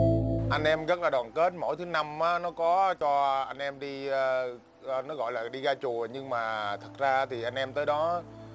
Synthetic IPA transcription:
ʔa˧jŋ̟ʔɛ˧mɣt̚laː˨˩ɗwaː˨˩nke˦˥t̚mo̰˧˥˨jt̪ʰɨ˨˦na˧mʔaː˨˦nɔ˨˦kɔ˨˦t͡ɕɔ˧ʔa˧jŋ̟ʔɛ˧mɗiː˧ | nɔ˨˦ɣɔ̰˧˨jlaː˨˩ɗi˧ɣaː˧t͡ɕu˨˩əɲɨ˧ŋmaː˨˩t̪ʰə˨˩t̚zaː˧t̪ʰi˨˩ʔa˧jŋ̟ʔɛ˧mt̪əː˨˦jɗɔ˨˦

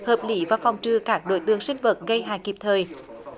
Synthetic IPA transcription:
həː˨˩p̚li˧˦vaː˨˩fɔ˨˩wŋ͡mt͡ɕɨ˨˧˩kaː˦˥k̚ɗo̰˧˦jt̪ɨ̰˧˨əŋsï˧ŋ̟və˨˩t̚ɣə˧jɦaː˨˩ki˨˩p̚t̪ʰəː˨˩j

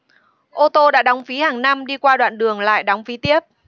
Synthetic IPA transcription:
ʔo˧t̪o˧ɗa̰ː˧˥ɗa˨˦wŋ͡mfi˨˦haː˨˩ŋna˧mɗi˧kwaː˧ɗwa̰ː˧˨nɗɨ˨˩əŋla̰ː˧˨jɗɔ˨˦wŋ͡mfi˨˦t̪i˦˥əp̚

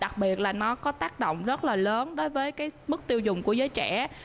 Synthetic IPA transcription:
ɗa˨˩k̚ɓi˨˩ət̚laː˨˩nɔ˨˦kɔ˨˦t̪aː˦˥k̚ɗo̰˧˨wŋ͡mzə˦˥t̚laː˨˩ləː˨˦nɗo˨˦jvəː˨˦jkaː˨˦jmɨ˦˥k̚t̪i˧əwzʊ˨˩ŋ͡mku˧˩əzəː˨˦jt͡ɕɛ˧˩˨

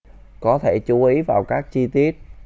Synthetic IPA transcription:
kɔ˨˦t̪ʰe˧˩t͡ɕu˨˦ʔi˨˦vaː˨˩wkaː˦˥k̚t͡ɕi˧t̪i˦˥ət̚

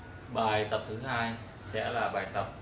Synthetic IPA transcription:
ɓaː˨˩jt̪ə˨˩p̚t̪ʰɨ˨˦haː˧j | sɛ̰˧˥laː˨˩ɓaː˨˩jt̪ə˨˩p̚

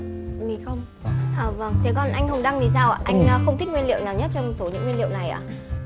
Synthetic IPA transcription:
mi˨˩xə˧wŋ͡m | ʔəː˨˩və˧˩ŋt̪ʰe˨˦kɔ˧˩nʔa˧jŋ̟hə˧wŋ͡mɗaː˧ŋzi˨˩s̬aː˧wʔa˨˩ʔa˧jŋʔəː˨˧˩xə˧wŋ͡mt̪ʰi˦˥k̚ŋwi˧nlḭ˧˨ə˨wnaː˨˩wɲə˦˥t̚t͡ɕɔ˧wŋ͡mmɔ˨˩t̚so˨˦ɲɨ̰˧˥ŋːwi˧nlḭ˧˨wna˨˩jʔa̰ː˧˨

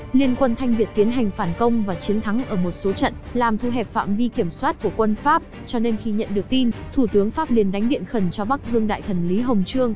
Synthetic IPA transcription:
li˧ənkwə˧nt̪ʰa˧jŋ̟vi˨˩ət̪̚i˨˦ənɦa˨˩jŋ̟faː˧˩nkə˧wŋ͡mvaː˨˩t͡ɕi˨˦ənt̪ʰa˨˦ŋʔəː˧˩mo˨˩t̚so˨˦t͡ɕə̰˧˨nlaː˨˩mt̪ʰu˧ɦɛ˨˩p̚fa̰ː˧˨mvi˧ki˧˩əmswaː˦˥t̚ku˧˩əkwə˧nfaː˦˥p̚ | t͡ɕɔ˧ne˧nxi˧ɲə̰˧˨nɗɨ˨˩ək̚t̪i˧nt̪ʰu˧˩t̪ɨ˨˦əŋfaː˦˥p̚li˨˩ənɗa˨˦jŋ̟ɗḭ˧˨ənxə˧˩nt͡ɕɔ˧ɓa˦˥k̚zɨ˧əŋɗa̰ː˧˨jt̪ʰə˧˩nli˨˦ɦə˨˩wŋ͡mt͡ɕɨ˧əŋ

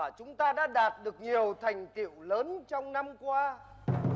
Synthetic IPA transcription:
t͡ɕʊ˨˦ŋ͡mt̪aː˧ɗa̰ː˧˥ɗaː˨˩t̚ɗɨ˨˩ək̚ɲi˨˩əwt̪ʰa˨˩jŋ̟t̪ḭ˧˨əwləː˨˦nt͡ɕɔ˧wŋ͡mna˧mkwaː˧

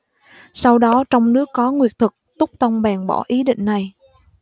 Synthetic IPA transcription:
sa˧wɗɔ˨˦t͡ɕɔ˧wŋ͡mnɨ˦˥əkːɔ˨˦ŋwi˨˩ət̚t̪ʰɨ˨˩k̚t̪ʊ˦˥k͡p̚t̪ə˧wŋ͡mɓaː˨˩ŋɓɔ˧˩ʔi˨˦ɗḭ̈˧˨ŋ̟na˨˩j

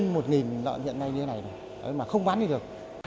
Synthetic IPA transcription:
nmo˨˩t̚ŋi˨˩nlɔ̰˧˨hḭ˧˨ənːa˧jɲɨ˧t̪e˦na˨˩jɗo˨˩j | ə̰˨˦maː˨˩xə˧wŋ͡mɓaː˨˦nɲi˧ɗɨ˨˩ək̚

